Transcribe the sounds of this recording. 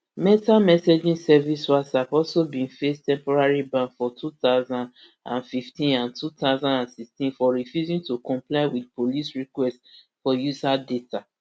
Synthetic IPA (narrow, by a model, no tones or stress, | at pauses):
mɛtamɛsed͡ʒĩnsɛviswasavɔsobĩnfestɛ̃mpɔɹaɹibãnfɔtʰutaʊzãnd | ã̰nfiftĩnãntʰutaʊzãnãnsikstĩnfɔɹifjuzĩŋtukɔ̃mplaɪwidpolisɹikwɛst | fɔjuzadeta